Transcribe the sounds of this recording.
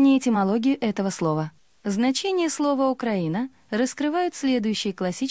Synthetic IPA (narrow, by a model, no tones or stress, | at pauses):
nʲɪjɪtʲɪmɐlˠo̞ɡʲɪjʊʔɛt̪əvəslˠo̞və | znɐt͡ɕenʲɪjəslˠo̞vəʊkɾɐinə | ɾəskɾɨvajʊt̪sʲlʲe̞d̪ʊjʉɕːɪjəklˠɐsʲi